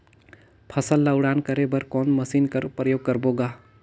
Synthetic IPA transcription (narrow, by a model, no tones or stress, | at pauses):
pʰəsəlːəwɽankəɾebəɾkɔːnməsinkəɾpɾəjoːɡ̚kəɾboɡa